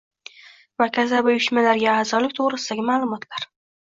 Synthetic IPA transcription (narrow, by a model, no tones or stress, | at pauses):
vakʲʰazabʊjʊʃmalaɾɡʲaaːzɒlɪk̚ʲt̪ʰoʁɾɪsɪd̪aɡʲɪmaːlˠʊmɒt̪ʰlaɾ